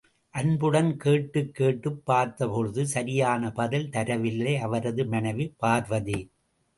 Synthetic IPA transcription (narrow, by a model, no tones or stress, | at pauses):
ʔɐnbɯɽɐnkeːʈːɯkːeːʈːɯpːaːɾt̪ɐpɔɻɯðɯsɐɾɪjaːnɐpɐðɪlt̪ɐɾɐʋɪlːɐɐʋɐɾɐðɯmɐnɐʋipːaːɾʋɐði